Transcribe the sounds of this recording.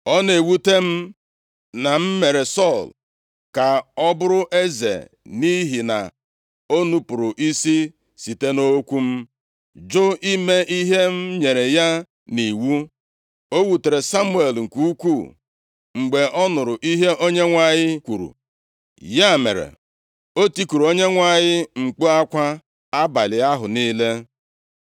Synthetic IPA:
ɔ˦ne˨wu˦te˦m̩˦ | na˨m̩˦me˨ɾe˨sɔ˦˨l | ka˨ɔ˦bʊ˦ɾʊ˦ʔe˦zḛ˨ | ni˦ɦi˨na̰˨ | o˦nu˨pʊ˨ɾʊ˨ʔi˦si˦ | si˨te˦no˦kʷu˦m̩˦ | d͡ʒo˦i˦me˦ʔi˦ɦe˦m̩˦ɲe˨ɾe˨ja˦ | ni˨wu˦ | o˦wu˨te˨ɾe˨sa˦mu˦e˨lŋ̩˨ku˦kʷu˦˨ | ŋ͡m̩˨ɡ͡be˨ʔɔ˦nʊ˨ɾʊ˨ʔi˦ɦe˦ʔo˦ɲe˦ŋʷa˦˨ɲɪ˦kʷu˨ɾṵ˨ | ja˦˨mḛ˨ɾḛ˨ | o˦ti˦ku˨ɾo˦ɲe˦ŋʷa˦ɲɪ˦ŋ͡m̩˨k͡pu˦a˦kʷa˦ | a˦ba˨lɪ˨a˦ɦʊ˨niː˦le˦

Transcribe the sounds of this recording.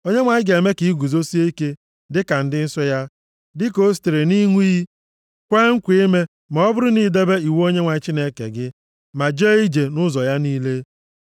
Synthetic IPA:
o˦ɲe˦ŋʷa˨ɲɪ˦ɡe˨me˦ki˨i˦ɡʷu˨zo˦si˦e˦i˦ke˦ | dɪ˦ka˨n̩˦dɪ˦n̩˦sɔ˦ja˦ | dɪ˦ko˦ste˨ɾe˨ni˦ŋʷi˦i˦ | kʷe˦ŋ̩˦kʷe˦me˦ | mɔ˨ɔ˦bʊ˦ɾʊ˦ni˦˨de˦be˦i˨we˦o˦ɲe˦ŋʷa˨ɲɪ˦t͡ʃi˦ne˦kḛ˨ɡɪ˦ | ma˨d͡ʒe˦i˦d͡ʒe˨nʊ˦zɔ˨ja˦niː˦le˦

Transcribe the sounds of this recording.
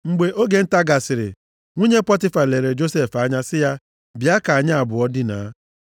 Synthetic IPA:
ŋ͡m̩˨ɡ͡be˨ʔo˦ɡe˦n̩˦ta˦ɡa˨sɪ˨ɾɪ̰˨ | ŋʷu˦ɲe˦pɔ˦tɪ˦fa˨le˨ɾe˨d͡ʒo˦se˦fa˦ɲa˦sɪ˦ja˦ | bi˨a˦ka˨a˨ɲa˦a˨bʊ˨ɔ˦dɪ˦na̰˨˦

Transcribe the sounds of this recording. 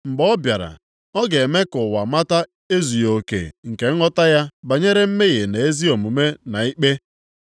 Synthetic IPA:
mŋ͡m̩˨ɡ͡bɔ˦bja˨ɾa̰˨ | ɔ˦ɡe˨me˦kʊ˨wa˨ma˦ta˦ | e˦zu˨jo˨kḛ˨ŋ̩˨ke˨˦ɔ˦ta˦ja˦ba˨ɲe˦ɾe˦m̩˦me˦ɣe˨ne˨e˦zi˦o˨mu˨me˦na˨i˦k͡pe˦

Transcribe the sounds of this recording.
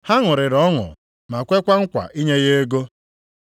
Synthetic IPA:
ha˦ŋʊ˨ɾɪ˨ɾɔ˨˦ŋʊ̰˨ | ma˨kʷe˦kʷa˦ŋ̩˦kʷa̰˨ʔi˦ɲe˦ɣe˦e˦ɡo˦

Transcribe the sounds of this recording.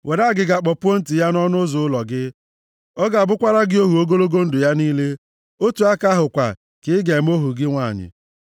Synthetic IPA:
wʔe˨ɾa˦˨ɡɪ˨ɡa˨k͡pɔ˨pʊ˦o˦n̩˦ti˨ja˦nɔ˦nʊ˦zʊ˨ʊ˦lɔ˨ɡɪ˦ | ɔ˦ɡa˨bʊ˦kʷa˦ɾa˦ɡɪ˦o˦ɦu˨o˦ɡo˦lo˦ɡo˦n̩˦dʊ˨ja˦niː˦le˦ | o˦tu˨a˦ka˦ɦʊ˨kʷa̰˨ | kɪ˨ɪ˦ɡe˨m̩˦o˦ɦu˨ɡɪ˦ŋʷa˦˨ɲɪ̰˨

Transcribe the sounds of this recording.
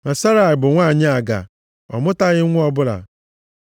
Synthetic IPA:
na˨sa˦ɾa˨ɪ˨bʊ˨ŋʷaː˦˨ɲɪ˦a˨ɡa̰˨ | ɔ̰˨mʊ˦ta˦ɣɪ˦ŋʷʊ˦ɔ˨bʊ˦la̰˨

